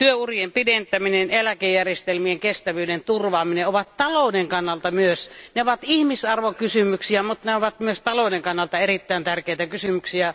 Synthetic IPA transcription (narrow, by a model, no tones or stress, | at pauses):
t̪yøuriempident̪æminenelækejːærjest̪elmieŋkest̪æʋyːdent̪urʋɑːmineoʋɑt̪t̪ɑloˑːneŋkɑnːɑlt̪ɑmyøsneoʋɑt̪ihmisɑrʋokysymyksiæmut̪neoʋɑt̪myøst̪ɑloˑneŋkɑnːɑlt̪ɑerit̪ːæˑint̪ærkeit̪ækysymyksiæ